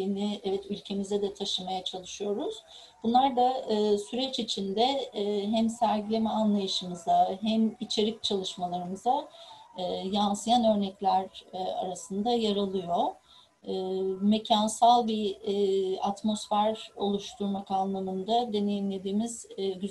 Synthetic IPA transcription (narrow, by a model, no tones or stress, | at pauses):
inɪɛvɛt̪ylʲcʰe̞mizɛd̪ɛt̪ʰaʃɯmajat͡ʃʰalˠɯʃɯjo̞ɾuz̥ | bunlˠaɾd̪aːsyɾɛt͡ʃit͡ʃʰind̪ɛɦæmsæɾɟilʲe̞mɛanlˠajɯʃɯmɯzaɦæmit͡ʃʰe̞ɾic̚t͡ʃʰalˠɯʃmalˠaɾɯmɯzaː | jansɯjanø̞ɾnɛclʲæɾa̰ɾasɯnd̪ajaɾalˠɯjo̞ː | me̞cʰansalˠbi | at̪mo̞sfæɾo̞lˠuʃt̪ʰuɾmakanlˠamɯnd̪ad̪e̞ne̞jimlʲe̞d̪iːmiz̥ɟy